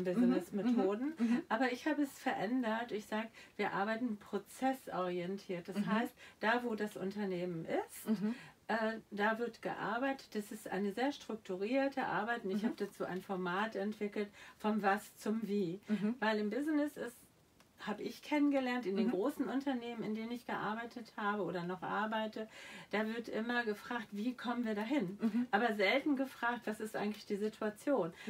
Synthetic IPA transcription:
bɪznɪsmetʰoːdn̩ʔaːbɐɪçhaːbəɛsfɛɐʔɛndɐtɪçz̥aːɡəv̥iːɐʔaɐbaɪtn̩pʁ̥ot͡sɛsʔɔʁ̞iɛntʰiːɐt̚d̥ashaɪstd̥aːvoːdasʔʊ̰ntɐneːmənʔɪsttʔɛːd̥aːvɪɐtɡ̥ə̰ʔa̰ɐbaɪtə̥t̚d̥asɪstʔa̰ɪnəzeːɐʃtʁ̥ʊk̚tʰuʁiːɐtʰəʔa̰ɐbaɪtʊntɪçhaːbəd̥at͡suːʔa̰ɪnfɔɐmaːtɛntv̥ɪkl̩tfɔnvast͡sʊmviːvaɪlɪmbɪznɪsɪs | haːbəʔɪçkʰɛnənɡəlɛɐntɪndeːnɡʁoːsn̩ʊntʰɐneːmənɪndeːnənɪçɡ̥əʔa̰ɐbaɪtʰəthaːbəʔoːɾɐnɔχʔa̰ɐbaɪtʰəd̥aːvɪɐtʔɪmɐɡəfʁ̥aːktv̥iːkʰɔmənviːɐɾaːɦɪnʔaːbɐzɛltn̩ɡəfʁ̥aːk̚tv̥asɪstʔa̰ɪɡŋ̩tlɪçd̥iːzitʰuat͡sjoːn

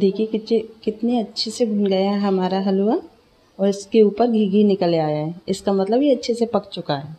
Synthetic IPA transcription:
d̪ʱiːkʰiekɪʃekɪt̪neɐtːʃʰeseɡʱʊnɡɐjaɦɛɦɐmaːɾaɦɐluwa | ɔːɾɪskeuːpəɾɡʱiːɡʱinɪkəleaːjaɦɛːɪskamɐt̪ləbjeɐtːʃʰesepɐkt͡ʃʊkaɦɛː

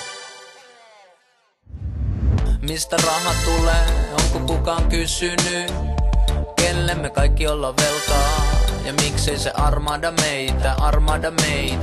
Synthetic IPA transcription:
mist̪ærɑɦɑt̪ulːeːoŋkukukɑːŋkysynːy | kelːemːekɑikːiolːɑʋʋelk̪ɑːjɑmikseisḛʔɑrmɑːdɑmeit̪æʔɑrmɑːdɑmeit̪

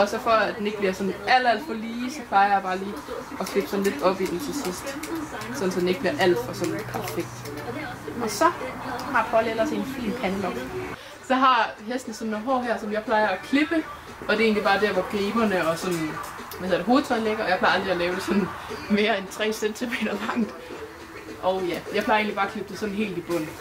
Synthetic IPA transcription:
ɒ̽sɒfɒæd̥ene̝ɡ̥̚b̥liɐsɒ̽næl̰ɐæl̰d̥fɒliːsɒ̽pʰlɑ̈ɪɐjäb̥ɑ̈ːliː | ɒ̽kʰle̝b̥sɒ̽n̩le̝d̥ɒ̽b̥id̥ent͡sʰe̝sisd̥ | sɒ̽n̩sɒd̥ene̝ɡ̥̚b̥liɐʔæl̰d̥fɒsɒ̽nled̥̚pʰæɐfeɡ̥̚d̥ | ʔɒ̽sɒ̽hɑ̈pʰɒ̽lelɐse̝nfḭːmpʰænəlɒɡ̥ | sɒ̽ɦɑ̈ɦesd̥n̩sɒ̽nːoɦɒ̰ːɦæɐ̰sɒ̽mjɑɪpʰlɑ̈ɪɐækʰle̝b̥ə | ʔɒ̽d̥e̝e̝ːnlibɑ̈ːd̥æɐ̰ʋɒɡ̥eːb̥ɐnəɒ̽sɒ̽nʋæðˠɐdɦo̝ːð̩ˠt͡sʰɒ̽ðleɡ̥ɐɒjɪpʰlɑ̈ɪɑld̥ʁiælɛːʊd̥e̝sɒ̽nme̝ːɐent͡sʰʁɛ̰ːsent͡sʰime̝̰ːɾ̥ɐlɑ̈ŋ̰d̥ | ʔɒ̽ʊjæjɑɪpʰlɑ̈ɪe̝ːnlib̥ɑːækʰle̝b̥d̥esɒ̽nɦe̝̰ːld̥ib̥ɔ̽n̰̩

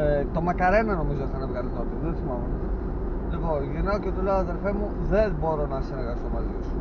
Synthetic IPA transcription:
t̪o̞mɐkɐɾenɐno̞mizoθɐnɐvɣɐlit̪oot̪iðeθimɐvonɐɐ | lipo̞nʝinaocet̪uleoɐðe̞lfemu | ðenbo̞ɾo̞nɐsinɐɾɣɐst̪omɐzisu̥

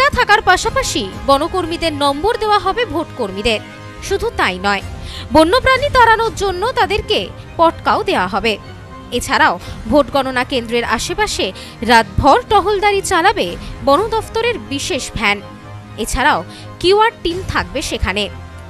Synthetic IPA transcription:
ʈat̪ʰakaɾpaʃapaʃibɔnokoɾmid̪eɾnɔmboɾd̪eoaɦɔbebʱoʈkoɾmid̪eɾ | ʃud̪ʱut̪ajnɔebonːopɾanit̪aɾanoɾd͡ʑonːot̪ad̪eɾke | pɔʈkaod̪eoaɦɔbe | et͡ɕʰaɾaobʱoʈɡɔnonakend̪ɾeɾaʃepaʃe | ɾat̪̚bʱɔɾʈɔɦold̪aɾit͡ɕalabebɔnod̪ɔft̪oɾeɾbiʃeʃbʱɛn | et͡ɕʰaɾao | kiaɾʈint̪ʰak̚beʃekʰane

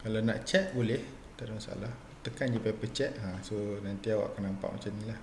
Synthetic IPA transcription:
kalana̰ʔt͡ʃɛʔ̪̚bolɛh | t̪aʔdumasa̰lah | t̪əkand͡ʒapapət͡ʃɛʔ̪ɦãsonant̪iawa̰kanampa̰ʔmat͡ʃannilah

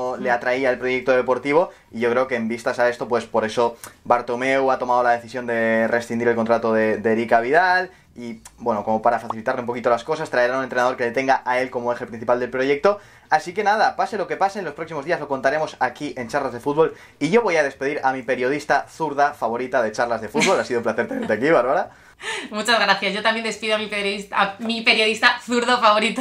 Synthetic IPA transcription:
le̞at̪ɾaiaelpɾo̞je̞k̚t̪oðe̞po̞ɾt̪iβ̞o̞ | iʝo̞kɾe̞okeːmbist̪asae̞st̪o̞pwe̞spo̞ɾe̞so̞baɾt̪o̞me̞wat̪o̞mað̞o̞lað̞e̞θisjo̞nd̪ere̞sθɾiniɾelkont̪ɾat̪oðe̞d̪eɾikaβ̞iðal | ibwe̞noko̞mo̞paɾafaθilit̪aɾleumpo̞kit̪o̞lasko̞sast̪ɾaeɾanunent̪ɾe̞naðoɾke̞let̪e̞ŋɡaʔae̞lko̞moe̞xe̞pɾin̟θipald̪e̞lpɾo̞ʝe̞k̚t̪o̞ | asike̞naðapase̞lo̞ke̞pasenlo̞spɾo̞ksimo̞zðiazlo̞ko̞nt̪aɾe̞mo̞sakiʔe̞nt͡ʃaɾlazðe̞fud̪̚βo̞l | iʝoβo̞jaðe̞spe̞ðiɾamipe̞ɾjo̞ð̞ist̪aθuɾðafaβo̞ɾit̪aðe̞t͡ʃaɾlazðe̞fut̪βo̞lasiðoumplaθe̞ɾt̪e̞ne̞ɾt̪eakiβ̞aɾβaɾa | mut͡ʃazɣɾaθjaszʝo̞t̪amjend̪e̞spiðoamipeiamipe̞ɾjo̞ðist̪aθuɾðofaβo̞ɾit̪o

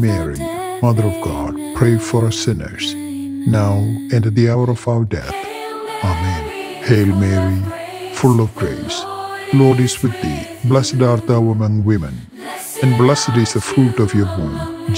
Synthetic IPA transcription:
mɛɹḭ | mʌðəɾɔvɡɑ̰d̥̚pʰɾeɪfɔɾʌsɪ̃nə̰˞s | naʊɛ̃nd̪iaʊəɾɔfaʊəɹɖɛ̰θ | amɛ̃n | heɪlmɛɹi | fʊlɔvɡɹḛslɔɖɪswɪd̪̚ːḭ | blɛsədaɾt̪̚d̪aʊəmʌ̃ŋwɪ̃mɨ̰̃n | ɛ̃nblɛsədɪzdəfɾuʈɔfjɔɾwũnd͡ʒ

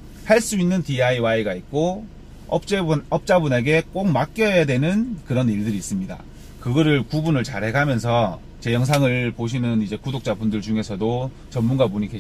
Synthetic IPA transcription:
haɭs͈uinːɯntiaiwaiɡait̚k͈o | ʌp̚t͡ɕ͈ʌp̚t͡ɕ͈abune̞ɡe̞k͈ok̚mak͈jʌjadwe̞nɯnkɯɾʌniɭdɯɾiːs͈ɯmɲida̰ | kɯɡʌɾɯɭkubunɯɭt͡ɕaɾɦe̞ɡamjʌns̬ʰʌ | t͡ɕe̞jʌŋs̬ʰaŋɯɭpoɕ̬ʰinɯnid͡ʑe̞kudok̚t͡ɕ͈abundɯɭd͡ʑuŋe̞sʰʌdo | t͡ɕʌmmunɡamoɲikʰe

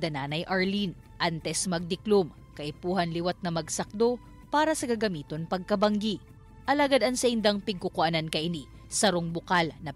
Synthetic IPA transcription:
d̪ɐnaːnɐjʔɐɹlin | ʔant̪ɛsmɐɡ̚d̪ɪklum | kɐʔɪpuːhɐnlɪwat̪̚nɐmɐɡsɐk̚d̪o̞ | paːɾɐsɐkɐɡɐmiːt̪o̞npɐɡ̚kɐbɐŋɡi | ʔɐlaːɡad̪ɐŋsɐʔɪnd̪ɐŋpɪɡ̚kʊkʊʔɐnankɐʔɪni | sɐɾoŋbʊkalnɐ

